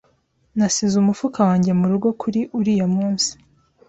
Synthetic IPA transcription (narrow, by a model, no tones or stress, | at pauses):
nasizumufukawaːɲɟe̞muɾuɡo̞kʰuɾiʔuɾijamuːnsi̥